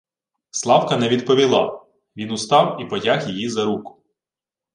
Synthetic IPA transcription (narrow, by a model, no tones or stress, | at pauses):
slˠɑwkɐnɛʋʲid̪̚pɔʋʲilˠɑ̰ | ʋʲinʊst̪ɑwipɔtʲaxjijizɐɾukʊ̥